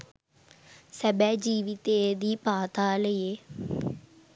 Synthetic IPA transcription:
səbɛːd͡ʒiːʋɪt̪eːd̪iːpaːt̪aːləeː

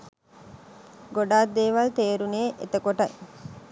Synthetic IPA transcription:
ɡoɖaːd̪eːʋɐlt̪eːɾuneːʔet̪əkoʈɐj

